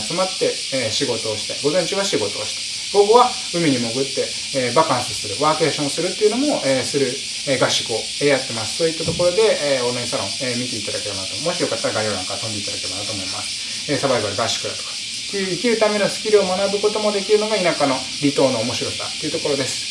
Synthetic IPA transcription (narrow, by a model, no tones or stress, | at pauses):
t͡sɨmat̪ːe̞ | ɕiɡo̞t̪o̞ːɕi̥t̪ḛɡo̞zẽ̞ɲt͡ɕiβaɕiɡo̞t̪o̞̰ːɕi̥t̪e̥ | bo̞ɡɯβa | ɯ̟mʲiɲ̟imo̞ɡɯ̟t̪ːe̞ː | bakãɰ̃sɨsɨɾɯ̟βaːke̞ːɕõ̞sɨɾɯ̟t̪ːeiɯ̟no̞mo̞ʔeːsɨɾɯ̟ | eːɡaɕi̥kɯo̞ | ejat̪ːe̞masɨ̥t̪o̞it̪ːat̪o̞ko̞ɾo̞d̪e̞ːonaɲisaɾõ̞ŋemʲit̪e̞it̪ad̪ake̞ɾe̞banat̪ommo̞ɕijo̞kat̪ːaɾaɡaioːɾãŋkaɾat̪õ̞nd̪eit̪ad̪akee̞banat̪oːmo̞ima̰sɨ̥ | eːsabaibaɾɯɡaɕi̥kɯ̟ɾa̰t̪o̥kḁ | t̪ːeɯ̟ikʲiɾɯ̟t̪ame̞nosɨ̥kʲiɾʲio̞manabɯ̟ko̞t̪o̞mo̞d̪e̞kʲiɾɯ̟no̞ɡainakano̞ | ɾʲit̪o̞ːno̞ːmo̞ɕiɾo̞sa̰t̪ːe̞iɯ̟t̪oko̞ɾo̞d̪e̞sɨ̥